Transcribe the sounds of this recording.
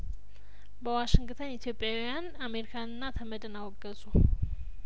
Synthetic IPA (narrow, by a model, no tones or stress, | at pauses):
bəwaʃɪŋɡt̪ʰənit̪ʰijopʼjawjaname̞ɾikʰanɨnːat̪ʰəməd̪ɨnawɔɡːəzʼu